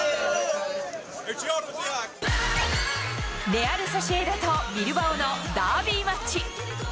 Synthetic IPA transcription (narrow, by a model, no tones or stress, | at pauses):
meaɾesaɕeːd̪at̪omʲiɾɯbaonod̪aːbʲiːmat͡ɕːi